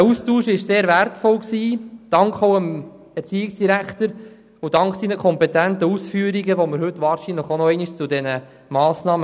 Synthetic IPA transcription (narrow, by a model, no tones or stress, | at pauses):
æustuːʃɪʃseːɾvæɾtfɔlksiːd̥ɑŋkʰowəm | ɛɾt͡siːɪksd̥iɾækt̪əɾ | ʊd̥ɑŋksinəkʰɔmpɛtænt̪əusfyːəɾiɡəʋoməɾhɵt̪ːʋɑːɾʃinləχonɔɛɪniʃt͡sudɛnə | mɑːsnɑːmə